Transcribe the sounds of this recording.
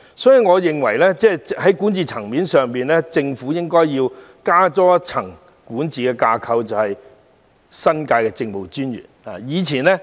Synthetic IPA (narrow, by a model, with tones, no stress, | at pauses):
sɔː˨˥ji˨ŋɔː˨˧jɪ˨ŋwɐ˨˩jlɛː˥t͡sɛː˥˩hɐ˨˦˥jkuː˨˥nt͡siː˨t͡sʰɐ˨˩ŋmiː˨˥nsœː˨ŋpiː˨nlɛː˥t͡sɪ˧ŋfu˨˥jɪ˥ŋkɔː˥jjiː˧w | kaː˥t͡sɔː˥t͡sʰɐ˨˩ŋ | kuː˨˥nt͡siː˨kɛː˧kaː˧kʰɐ˧wt͡sɐ˨whɐ˨j | sɐ˥nkaː˧jkɛː˧t͡sɪ˧ŋpo˨wt͡ʃyː˥njy̰ː˨˩na̰ː˨jiː˨˧t͡sʰiː˨˩nɛː˥